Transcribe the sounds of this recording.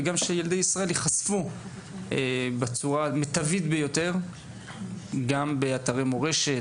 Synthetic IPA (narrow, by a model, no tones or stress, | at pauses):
ɡamʃejeld̪ejisʁaʔe̞ljeχasfu | ebet͡suʁamet̪avit̪bejo̞t̪e̞ʁ | ɡambe̞at̪aʁemoʁe̞ʃe̞